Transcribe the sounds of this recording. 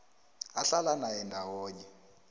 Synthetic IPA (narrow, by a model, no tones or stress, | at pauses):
aɬalanajɛndʱawoːɲɛ